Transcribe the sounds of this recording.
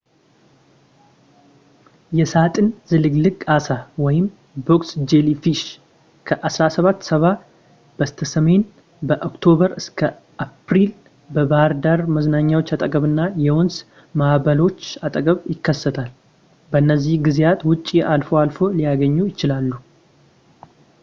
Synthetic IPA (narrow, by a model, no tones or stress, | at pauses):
jɛsat̪ʼɨnzɨlɨɡlɨkʼːasawɔjɪm | bo̞ksd͡ʒelifiʃ | kʰəʔasɾasəβat̪ːsəβa | b̥əst̪ʰəsəme̞n | bəʔokt̪ʰo̞βəɾɨskʰə | ʔapɾil | bəbahɾd̪aɾməznaɲːawo̞t͡ʃːat̪ʼəkʼəβɨnːajɛwɔns | mahβəlo̞t͡ʃːat̪ʼəkʼəβjɪkːəsːət̪ʰal | bənːəzːihɡɨzejat̪wʊt͡ʃʼːiʔalfoalfo̞lijaɡəɲːujɪt͡ʃɪlalːu